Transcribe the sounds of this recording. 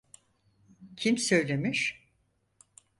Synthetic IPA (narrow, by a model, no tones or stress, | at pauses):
cʰimsø̞jlʲe̞miʃ